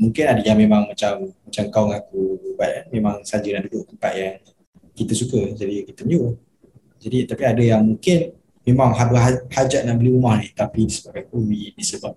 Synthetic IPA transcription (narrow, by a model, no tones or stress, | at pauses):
mũŋkɪnadəjaŋmemãŋmat͡ʃamːat͡ʃamkaɔŋakubaiʔ̪̚kanmemãŋsad͡ʒənaʔdudʊʔ̚t̪əmpa̰ʔ̪jaŋ | kit̪əsukəd͡ʒadikit̪əmiu | d͡ʒadit̪apiadəjaŋmuŋkɪn | memaŋɦabəɦahad͡ʒaʔ̪̚naʔbəliumahnit̪apidisəbab̚ɡajkumidisəbap̚